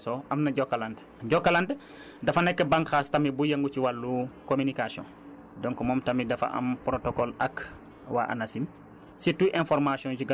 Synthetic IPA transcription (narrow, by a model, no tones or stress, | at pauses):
sɔɐmnɐɟɔkːaland | ɟɔkːaland | dɐfɐnɛkːɛbaŋkxaːstɐmibujɐŋɡuciwalːukomynikasiɔ̰̃n | dɔŋkɔmɔːmtɐmidɐfɐ̰ʔɐ̰mpɾotokɔlɐk | wa̰ʔa̰nɐsim | situʔɛ̃nfɔɾmasiɔ̃nd͡ʒiɡ